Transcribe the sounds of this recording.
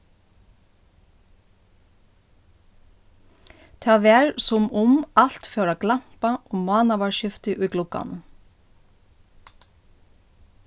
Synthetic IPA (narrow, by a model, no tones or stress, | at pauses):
t̪ʰɑːʋɛːɹsʊmʊmɑlt̪fœːɹaɡlam̥paɔmɑːnaʋɑɹʃɪft̪ɪʔʊjɡlʊka̰n